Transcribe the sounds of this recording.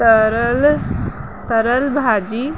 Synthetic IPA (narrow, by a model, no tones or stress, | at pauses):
əɾl | t̪əɾəlbʱad͡ʒi